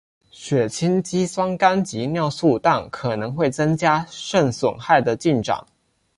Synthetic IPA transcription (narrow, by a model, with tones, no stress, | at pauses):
ɕɥɛ˨˩t͡ɕʰi˥nt͡ɕi˥swɑ˥ŋka˥nt͡ɕi˧˥njɑ˥˧ʊsu˥˧t̪a˥˩nkʰɤ˨˩nɤ˧˥ŋxwe˥˩ɪt͡sɤ˥ŋt͡ɕja˥ʂə˥˩ŋswʊ˨˩ŋxa˥˩ɪd̪ə˩t͡ɕi˥˩nʈ͡ʂɑ̰˨˩˦ŋ